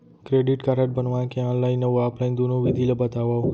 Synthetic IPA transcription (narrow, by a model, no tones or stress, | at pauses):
kɾeɖiʈkaɾəʈ̚bənʋãkeɔ̃nlainːəʋuaplajnd̪unũʋid̪ʱiləbət̪aʋaw